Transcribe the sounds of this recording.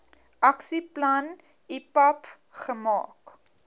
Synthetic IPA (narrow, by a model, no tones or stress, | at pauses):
ʔɐksiplɐn | ipɐp | χəmɑ̰ːk